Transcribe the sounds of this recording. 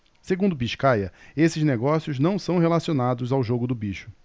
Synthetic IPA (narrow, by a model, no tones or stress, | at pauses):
seɡũnd̪ʊbiʃkajɐesɪzneɡɔsjʊznɐ̃w̃sɐ̃w̃ɦelasionad̪ʊzawʒoɡʊd̪ʊbiʃʊ̥